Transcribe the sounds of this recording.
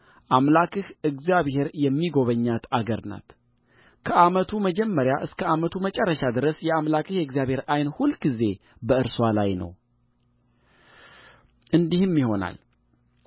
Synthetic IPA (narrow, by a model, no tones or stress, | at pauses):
ʔamlakʰɨhɨɡzjaβhe̞ɾjɛmːiɡo̞βəɲːat̪ʰaɡəɾna̰t̪ | kʰəʔamət̪ʰuməd͡ʒɛmːəɾjaʔɨskʰəamət̪ʰumət͡ʃʼɛrːəʃad̪ɨɾəsjɛamlakʰʼɨhjɛɨɡzjaβhe̞ɾajnhulɡize̞ | bəɨɾswalajnə̰w | ʔɨnd̪ihɨmːjiho̞na̰l